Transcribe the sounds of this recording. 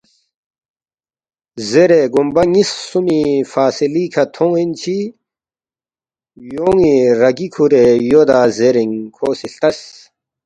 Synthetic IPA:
zeɾeɡumbɐŋisːumifaːsilikʰɐt̪ʰõŋint͡ɕʰi | joːŋiɾɐɡikʰuɾejoːd̪aːzeɾiŋkʰoːsiɬt̪ɐs

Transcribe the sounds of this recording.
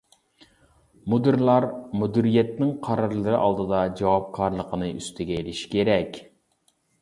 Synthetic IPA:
mud̪ɨɾlˠɑɾmud̪yɾijɛt̪̚nɪŋqʰɑɾɑɾlˠɨɾɨʔɑlˠd̪ɨd̪ɑd͡ʒɑwɑp̚kʰɑɾlˠəqʰənɨʔy̰st̪ʰɪɡʲɛelɪʃi̥kʲʰeɾɛkʲ

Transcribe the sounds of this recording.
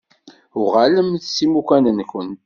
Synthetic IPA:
ʊʁaləmθsimukænənkʷən

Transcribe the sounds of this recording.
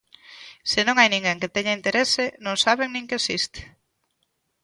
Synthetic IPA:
sɪnõŋajnĩŋɡeŋket̪ɛɲɐint̪eɾesenõŋsaβeŋnĩŋkesist̪e̥

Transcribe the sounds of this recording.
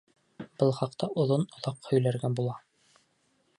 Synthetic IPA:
b̥ɤlˠχɑqt̪ɑʔŏðonŏðɑqhɵ̆jlæɾɡæbulˠɑ

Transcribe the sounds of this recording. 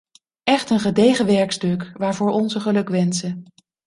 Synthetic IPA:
ʔɛχtənχədejχəʋɛɹkstɵkʋaːɹvʊːɹʔɔnzəχəlɵkʋɛnsə

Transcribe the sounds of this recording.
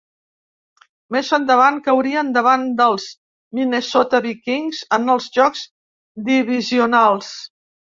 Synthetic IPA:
mezənd̪əβ̞aŋkəwɾiənd̪əβand̪əlˠz̥ | minəsɔt̪əβikiŋzənəlˠzʒɔkz̥ | d̪iβiziunalˠs

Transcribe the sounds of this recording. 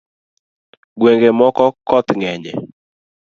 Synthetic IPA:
ɡweŋɡemɔkɔkɔt̪ŋɛɲɛ̰

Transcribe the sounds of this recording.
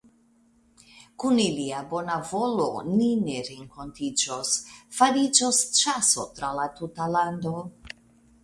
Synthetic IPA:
kuniliabo̞navo̞lo̞̰nineɾeŋkʰo̞ntid͡ʒosfaɾid͡ʒost͡ʃaso̞̰tɾalatutalando̞

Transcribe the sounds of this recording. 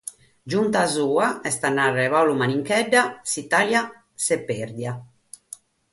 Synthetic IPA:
d͡ʒunt̪azuːaɛst̪anːarːɛβawlumaniŋkɛɖːasit̪alja | sɛpːeɾd̪ja

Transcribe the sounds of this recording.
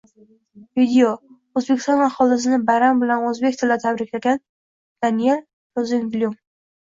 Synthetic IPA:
vid̪eo | ɵzbekʲʰɪst̪ɒnaχɒlɪs̬ɪnɪbaɾambɪlanɵzbekʲt̪ʰɪlat̪ʰabɾɪkʲlaɡʲan | d̪̥anie̞l | tozɪnblʲjum

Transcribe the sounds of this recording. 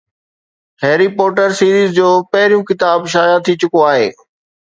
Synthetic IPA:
heːɾipɔːɾʈəɾsiːɾiːzd͡ʑoːpɐɦɪɾijũkɪt̪aːbʃ̬aːjat̪ʰit͡ɕʊkoaːɦeː

